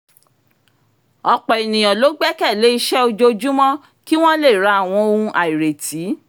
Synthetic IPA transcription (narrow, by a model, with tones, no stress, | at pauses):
ɔ˧k͡pɔ˨i˨nĩ˨j̃ɔ̃˨lo˨˦ɡ͡bɛ˦kɛ˦˨le˨˦i˧ʃɛ˦o˧d͡ʒo˧d͡ʒu˦mɔ̃˦ | ki˦w̃ɔ̃˦le˦˨ɾa˨˦a˦˨w̃ɔ̃˧o˧ũ˧ʔa˨i˨ɾe˨tʰi˨˦